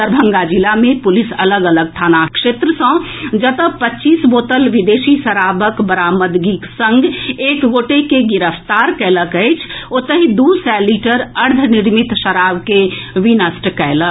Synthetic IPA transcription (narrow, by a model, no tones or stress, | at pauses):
səɾbʱə̃ŋɡad͡ʒilamẽpʊlɪsɐləɡələɡ̚t̪ʰaːnakʃeːt̪ɾəsə̃ | d͡ʒət̪əpətːt͡ʃiːsboːt̪əlʋɪd̪eːsisəɾaːbəkbəɾaːməd̪ɡiksə̃ŋɡeːkɡoːʈekeɡɪɾəpt̪aːɾkɛːləkəet͡ʃʰot̪əɦĩd̪uːsɛːliʈəɾəɾd̪ʱənɪɾmɪt̪ʃəɾaːbkeʋinəsʈkɛːlə